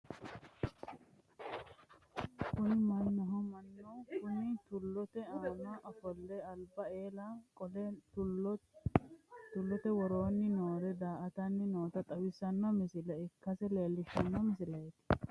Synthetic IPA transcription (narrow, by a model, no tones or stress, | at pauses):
kʊnɪmɐnːɔɦɐmɐnːɐwkʊnɪt̪ʊlːɔt̪ɛaːnɐʔɐfɔlːɛɐlbɐeːlɐkɔlɛ | t̪ʊlːɔt̪ɛwɔɾoːnːɪnoːɾɛd̪aːʔɐt̪ɐnːɪnoːt̪ɐt̪ʼɐwɪsːɐnːɐmɪsɪlɐɪkːɐsɛle̞ːlːɪʃɐnːɐmɪsɪlɐjɛt̪ɪ̥